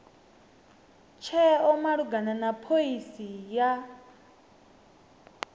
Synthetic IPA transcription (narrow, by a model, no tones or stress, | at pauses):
t͡ʃʰɛɔmaɺuɡananapʰoisija